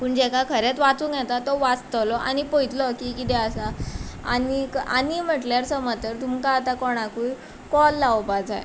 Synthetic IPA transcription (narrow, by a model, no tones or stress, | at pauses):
puːɳd͡ʑɛkakʰəɾet͡sʋat͡suːkjɛt̪at̪ːɔʋat͡st̪əlɔʔa̰ñipojt̪lɔkikit̪ɛəsaanika̰nim̤əʈljaɾsəmət̪əɾt̪umkaːt̪akɔɽ̃akuj | kɔlːaʋpad͡za̰j